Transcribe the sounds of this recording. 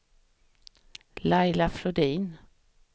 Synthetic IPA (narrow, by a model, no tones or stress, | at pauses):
laɪlafɾɔd̪iːn